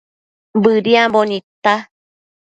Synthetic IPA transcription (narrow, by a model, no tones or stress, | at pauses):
bɨɾiãbonĩt̪a